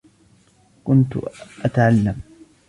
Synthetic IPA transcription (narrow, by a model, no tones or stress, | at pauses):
kʊnt̪ʊ̰ʔat̪aʕalːam